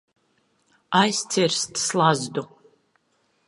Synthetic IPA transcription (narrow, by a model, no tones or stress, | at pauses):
ajst̪siɾst̪slˠazd̪u